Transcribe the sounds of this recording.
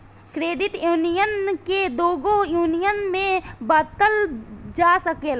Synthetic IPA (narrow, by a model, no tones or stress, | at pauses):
kɾeːd̪ɪt̪juːnijənked̪oːɡõjuːnijənmẽbaːt̪əld͡ʒaːsəkeːl